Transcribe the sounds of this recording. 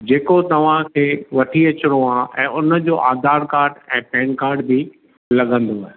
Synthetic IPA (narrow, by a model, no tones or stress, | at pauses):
d͡ʑeːkot̪ɐʋ̤ãkʰeːʋɐʈʰiɐt͡ɕɪɽ̃oãːʔɛ̃ːʊnə̆d͡ʑoːʔaːd̪ʱaːɾkaːɾɖɛ̃ːpɛːnkaːɾɖbi | lɐɠʱə̃nd̪oaːɦe